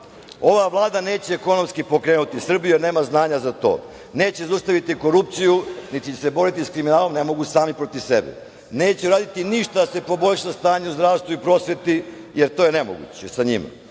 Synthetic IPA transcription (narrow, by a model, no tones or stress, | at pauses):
o̞ʋaʋlˠaːd̪ane̞ːt͡ɕeːko̞no̞mskipo̞kɾe̞ːnut̪isr̩bijujeɾne̞ːmaznaːɲazat̪o̞̰ː | ne̞ːt͡ɕezaust̪aʋit̪iko̞ɾup̚t̪sijunit̪iese̞bo̞ɾit̪iskɾiminaːlo̞mne̞mo̞ɡusaːmipɾot̪iʋsḛbɛ̰ | neːt͡ɕeɾaːd̪it̪iniʃt̪ad̪ase̞po̞bo̞ʎʲʃast̪aːɲeuzd̪ɾaːʋst̪ʋuipɾo̞sʋet̪i | jeɾt̪o̞jene̞mo̰ɡṵt͡ɕesaɲima̰